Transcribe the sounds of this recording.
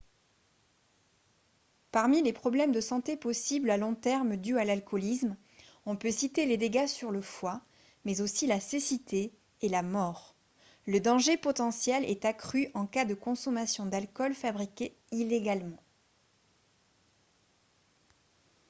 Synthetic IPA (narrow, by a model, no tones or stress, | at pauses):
paʁmilepχɔblɛmd̪əsɑ̃t̪epɔsiblalɔ̃t̪ɛʁmd̪yalalkʰɔlism | ɔ̃pøsit̪eled̪eɡasyʁləfwa | mɛzosilasesit̪eː | lamɔʁ | ləd̪ɑ̃ʒepɔt̪ɑ̃sjɛlɛ̰t̪akχyʔɑ̃kad̪əkɔ̃sɔmasjɔ̃d̪alkɔlfabʁikʲe | ileɡalmɑ̃